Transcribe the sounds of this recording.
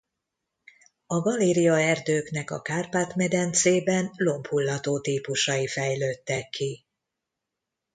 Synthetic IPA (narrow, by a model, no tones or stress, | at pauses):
ɒɡɒliːɾijɒɛrd̪øːknɛkɒ̰kaːrpaːt̪mɛd̪ɛnt̪seːbɛnlo̞mphulːɒt̪oːt̪iːpuʃɒjifɛjløːt̪ːɛkʰːi